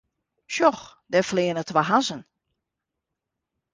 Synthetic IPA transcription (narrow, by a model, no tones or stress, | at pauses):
ʃjɔxdɛflɪːənətʋaɦasən